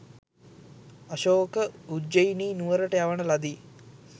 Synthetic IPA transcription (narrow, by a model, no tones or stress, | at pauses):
aʃoːkəud͡ʒejiniːnuʋəɾəʈəjaʋənəlad̪iː